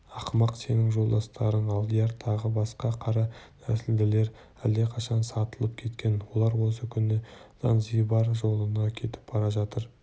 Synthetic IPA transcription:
ɑqəmɑqse̞nɪŋʒolˠd̪ɑst̪ɑɾəɴɑlˠd̪ijɑɾt̪ʰɑʁəbɑsqɑqʰɑɾɑt̪ʰæsɪld̪ɪle̞ɾ | æld̪e̞qʰɑʃɑnsɑt̪əlˠəpkʲʰe̞t̪kʲe̞nwo̞lˠɑɾwo̞səkʲʰʏnːɪz̥ɑ̰nzijbɑɾʒo̞lˠənɑkʲʰe̞t̪ɪ̥p̚b̥ɑɾɑʒɑt̪əɾ

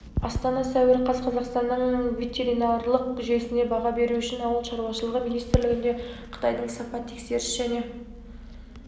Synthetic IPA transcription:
ɑ̰st̪ɑnɑsæwɪɾqʰɑzqʰɑzɑqst̪ɑnːəɴvʲe̞t̪ʰeɾinɑrlˠəqkʏʒe̞sɪne̞bɑʁɑbe̞ɾuʏʃɪnɑwəlˠʃɑɾwɑʃəlˠəʁəminijst̪ɪɾlɪɡʲɪnd̪e̞qʰə̥t̪ɑjd̪əɴsɑpɑt̪ʰːe̞̥kse̞ɾɪsʒ̥æne̞

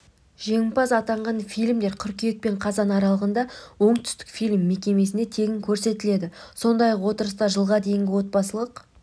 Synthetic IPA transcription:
ʒe̞ŋɪmpɑzɑt̪ɑɴʁɑnfijlʲmd̪e̞ɾkʲʰʏɾkʲijek̚pe̞ɴqʰɑzɑnɑɾɑlˠəʁənd̪ɑwo̞ɴt̪ʰʏ̥st̪ɪ̥kfijlʲmːe̞kʲe̞me̞s̬ɪne̞t̪ʰe̞ɡʲɪŋkʲʰɵɾse̞t̪ɪle̞d̪ɪso̞nd̪ɑjɑqwo̞t̪əɾəst̪ɑʒəlˠʁɑd̪e̞jɪŋɡʲɪwo̞t̪̚pɑsəlˠəq

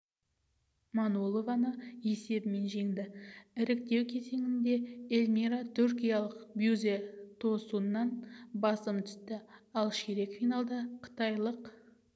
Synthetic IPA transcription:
mɑnolˠovɑnəje̞se̞bɪme̞nʒe̞ŋd̪ɪɪɾɪk̚t̪e̞wkʲʰe̞ze̞ŋɪnd̪e̞elʲmʲiɾat̪ʰʏɾkʲijɑlˠəqbjuzet̪ʰo̞suənːɑnbɑsəmt̪ʰʏ̥st̪ɪɑlˠʃeɾe̞kfijnɑlˠd̪ɑqʰə̥t̪ɑjlˠəq

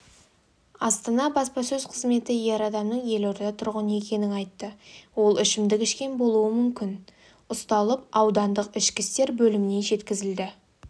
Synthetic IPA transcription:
ɑst̪ɑnɑbɑspɑsɵzqʰəzme̞t̪ɪje̞ɾɑd̪ɑmnəɴje̞lo̞ɾd̪ɑt̪ʰʊɾʁənəe̞kʲe̞nɪŋɑjt̪ːəwo̞lˠɪʃɪmd̪ɪkʲɪʃkʲe̞nbo̞lˠuəmʏmkʲɪn | ʊst̪ɑlˠəpɑwd̪ɑnd̪əqɪʃkʲɪst̪e̞ɾbɵlɪmɪne̞ʒe̞t̪kʲɪzɪld̪ɪ

